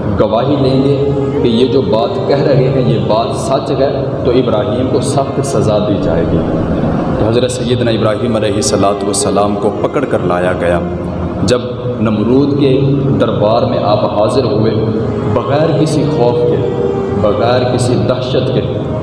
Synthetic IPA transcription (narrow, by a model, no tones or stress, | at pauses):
ɡɐʋaːɦilẽːɡ̪e | kejed͡ʒoːbaːt̪kɛɦɾɐɦeɦɛ̃jebaːt̪sɐt͡ʃɦɛ | t̪oɪbɾaːɦiːmkosɐft̪sɐzad̪iːd͡ʒa̰ːḛːɡḭːt̪oɦɐzɾesɐjːəd̪naɪbɾaːɦiːmɐleːɦɪsːɐlaːt̪uʋəsːɐlaːmkopɐkəɽkɐɾla̰ːjaɡɐjaː | d͡ʒɐb | nɐmɾuːd̪ked̪ɐɾbaːɾmẽʔaːpɦaːzɪɾɦueː | bɐɣɛːɾkɪsixɔːfke | bɐɣɛːɾkɪsid̪ɐɾʃət̪ke